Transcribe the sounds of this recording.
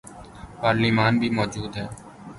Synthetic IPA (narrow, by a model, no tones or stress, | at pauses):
paːɾliːmaːnbʱiːmɔːd͡ʒuːd̪ɦɛː